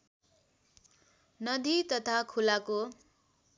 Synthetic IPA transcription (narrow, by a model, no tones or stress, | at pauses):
nʌd̪it̪ʌt̪ʰakʰulako